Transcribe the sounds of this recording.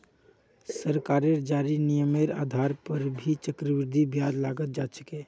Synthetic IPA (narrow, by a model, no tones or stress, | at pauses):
səɾkaɾeɾd͡ʒaɾinijəmeɾa̰d̪ʱaɾpəɾbʱit͡ʃəkɾəʋɪɾd̪ʱibjad͡ʒ̪laɡət̪̚d͡ʒat͡ʃʰəke